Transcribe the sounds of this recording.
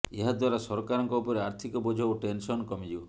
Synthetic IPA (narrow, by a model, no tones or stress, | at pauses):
eɦad̪waɾasɔɾɔkaɾɔŋkɔupɔɾeaɾt̪ʰikɔbɔd͡ʒʱɔwʈensɔnkɔmid͡ʒiɔ